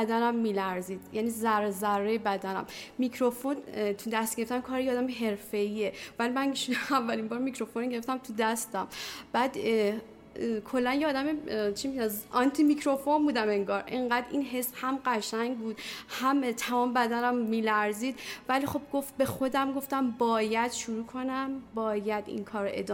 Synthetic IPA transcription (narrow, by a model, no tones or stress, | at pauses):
d̪ænæmːiːlæɾziːd̪jæniːzæɾezæɾːejebæd̪ænæ̰mmicʰɾo̞fo̞nt̪ʰud̪æst̪̚ɡ̥eɾeft̪æmkʰɒːɾejeɒːd̪æmeɦe̞ɾfe̞ievælimænʃuævːælimbɒːɾmicɾo̞fonɟe̞ɾeft̪æmt̪ʰud̪æst̪æmb̥æːd̪ | kʰo̞lːænjeːd̪æmet͡ʃʰimiæzʔɒnt̪ʰimicʰɾo̞fo̞mbuːd̪æme̞ŋɡɒːɾʔeŋɢæd̪inɦe̞shæmɢæʃæŋɟbuːd̪̥hæmt̪ʰæmɒːmebæd̪ænæmːiːlæɾziːd̪vælixo̞b̚ɡo̞ft̪̚be̞xo̞d̪æmɡo̞ft̪æmbɒːjæd̪̥ʃuɾuːkʰo̞næmbɒːjæd̪ḭnkʰɒːɾoʔe̞̰d̪ɒː